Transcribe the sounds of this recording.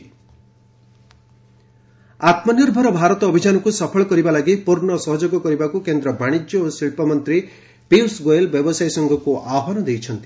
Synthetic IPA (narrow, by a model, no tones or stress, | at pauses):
at̪mɔniɾbʱɔɾɔbʱaɾɔt̪ɔːbʱid͡ʒanɔkusɔpʰɔɭɔkɔɾibalaɡipuɾnɔsɔɦɔd͡ʒɔɡɔkɔɾibakukend̪ɾɔbaɽ̃id͡ʒjɔosiɭpɔmɔnt̪ɾi | piwsɡoelbjɔbɔsajsɔŋɡʱɔkuʔaɦɔnɔd̪ejt͡ʃʰʌnt̪i